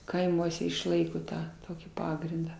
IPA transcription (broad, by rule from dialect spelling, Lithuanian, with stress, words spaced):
kɐɪˈmuɔsʲɛ ɪʃˈlˠɐɪkoː ˈtɑː ˈtoːkʲiː ˈpɑːɡrʲɪndɑː